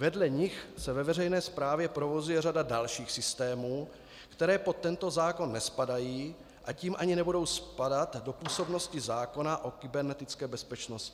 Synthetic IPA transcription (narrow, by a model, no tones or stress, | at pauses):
vɛdlɛɲɪxsɛvɛvɛrɛjnɛːspɾaːvjɛpɾo̞vo̞zujɛradadalʃiːxsɪst̪ɛːmuː | kt̪ɛɾɛːpo̞t̪ːɛnt̪o̞zaːko̞nːɛspadajiː | ʔaciːmʔaɲɪnɛbudo̞wspadat̪do̞puːso̞bno̞scɪzaːko̞naʔo̞kɪbɛɾnɛt̪ɪt͡skɛːbɛspɛt͡ʃnoscɪ